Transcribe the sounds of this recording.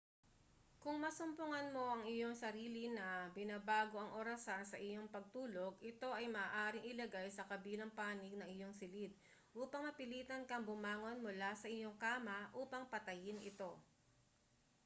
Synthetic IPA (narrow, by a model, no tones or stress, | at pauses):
kʊŋmɐsʊmpʊŋɐnmo̞ʔɐŋɪjo̞ŋsɐɾiːlinɐbɪnabaːɡo̞ɐŋʔoɾɐsansɐʔɪjo̞ŋpɐɡ̚t̪uːlo̞ɡ̚ʔɪt̪o̞ʔɐjmɐʔːʔaːɾɪŋʔɪlɐɡajsɐkɐbiːlɐŋpaːnɪɡ̚nɐŋɪjo̞ŋsɪlid̪̚ | ʔuːpɐŋmɐpɪliːt̪ɐnkɐŋbʊmaːŋo̞nmʊlasɐʔɪjo̞ŋkaːmɐʔuːpɐŋpɐt̪ɐjɪnʔɪ̰t̪o̞